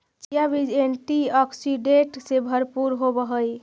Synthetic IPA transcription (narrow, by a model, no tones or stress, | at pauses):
t͡ʃjabid͡ʒenʈiɔksiɖeʈsebʱəɾpuɾɦobəɦəj